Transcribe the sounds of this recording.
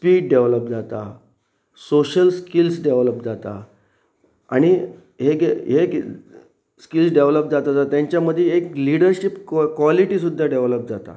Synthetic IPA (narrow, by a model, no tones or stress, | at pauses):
spiːɖ̚ɖeʋləp̚d͡zat̪a | soɕəlskilsɖeʋləp̚d͡zat̪a | aɽ̃i | ɦekɦek | skilsɖeʋləp̚d͡zat̪ad͡zat̪jãɲt͡ɕjaməd̪ʱːjeekliɽəɾɕipkːʋaliʈisud̪ʱːaɖeʋləp̚d͡zat̪a̰